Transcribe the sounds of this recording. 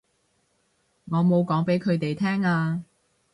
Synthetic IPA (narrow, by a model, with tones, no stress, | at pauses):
ŋɔː˨˧mo˨˧wkɔː˨˥ŋpe˨˥jkʰɵ˨˧ɥt̪e˨jt̪ʰɛː˥ŋaː˧